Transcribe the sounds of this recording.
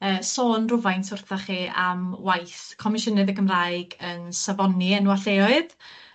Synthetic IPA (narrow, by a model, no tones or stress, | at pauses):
əːsoːnrʊvajntʰʊrθaχiːʔa̰mwajθkʰɔmɪʃənɨðəɡəmraːjɡənsavɔniɛnwaɬeːɔɨð